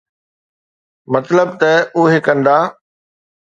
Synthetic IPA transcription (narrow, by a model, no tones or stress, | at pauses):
mɐt̪ləb̚t̪ɐʊɦekɐ̃nd̪aː